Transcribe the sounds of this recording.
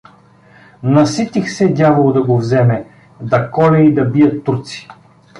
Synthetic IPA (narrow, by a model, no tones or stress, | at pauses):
nɐsit̪ixsɛd̪ʲjavolˠod̪ɐɡovzɛmɛ | d̪ɐkɔlʲɛid̪ɐbijət̪ːuɾt̪si̥